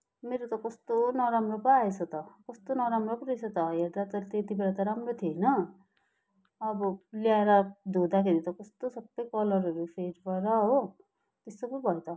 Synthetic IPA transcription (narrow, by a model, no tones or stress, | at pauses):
meɾot̪ʌkʌst̪onʌɾamropaaet͡sʰʌt̪ʌkʌst̪onʌɾamropʌɾit͡sʰʌt̪ʌjeɾd̪at̪ʌt̪et̪ibeɾat̪ʌɾamrot̪ʰiʌjnʌ | ʌbʌlijaeɾʌd̪ʱod̪akʰeɾit̪ʌkʌst̪osʌbːʌjkʌlʌɾɦʌɾupʰeɾpʌɾʌɦo | t̪esokʌbʱʌet̪ʌ